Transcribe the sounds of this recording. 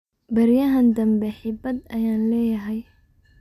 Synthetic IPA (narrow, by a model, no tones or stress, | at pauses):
bɐɾjɐɦɐnd̪ɐmbɛħɪbɐd̪ɐjaːnlɛːjɐɦɛj